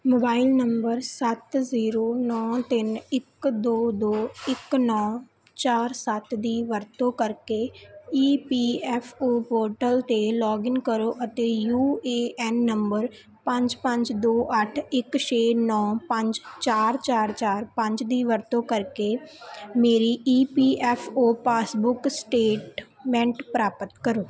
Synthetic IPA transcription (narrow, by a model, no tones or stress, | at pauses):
moːbaːilnəmbəɾsət̪ziːɾoːnɔːt̪ɪnɪkd̪oːd̪oːɪknɔː | t͡ʃaːɾsət̪d̪iːʋəɾt̪õːkəɾkeːiːpiːɛːpʰoːpoːɾʈəlt̪eːlɔːɡɪnkəɾoːʔət̪eːjuːeːɛːnːəmbəɾ | pə̃ɲd͡ʒpə̃ɲd͡ʒd̪oːʔəʈʰɪkʃeːnɔːpə̃ɲd͡ʒt͡ʃaːɾt͡ʃaːɾt͡ʃaːɾpə̃ɲd͡ʒd̪iːʋəɾt̪õːkəɾkeːmeːɾiːiːpiːʔɛːpʰoːpaːsbʊksʈeːʈmɛ̃ɳʈpɾaːpət̪kəɾoː